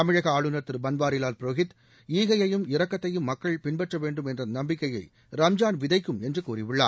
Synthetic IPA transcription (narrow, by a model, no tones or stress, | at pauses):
ɐmɪɻɐɣɐaːɻɯnɐt̪ːɯɾbɐnbaːɾɪlaːlpɪɾoɣɪt̪ | iːɣɐjɐjɯmɪɾɐkːɐt̪ːɐjɯmːɐkːɐɭpɪnbɛʈrɐʋeːɳɖɯmɛndrɐnɐmbɪkːɐjɐɪ | ɾɐmd͡ʒaːnʋɪðɐɪkːɯmɛndrɯkuːɾɪʋɪɭːa̰ː